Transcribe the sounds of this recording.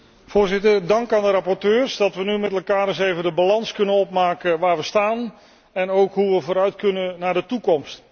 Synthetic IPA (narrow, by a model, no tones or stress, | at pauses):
v̥ʊːɹzɪtəɹdɑŋkaːndəɾɑpɔɹtøːɹsdɑtʋənymɛtɛlˠkaːɾɪsejvəndəbalɑnskɵnənɔp̚maːkəʋaːɹʋəstaːn | ɛnowkɦuʋəvoːɾœɥtkɵnənaːɹdətukɔmst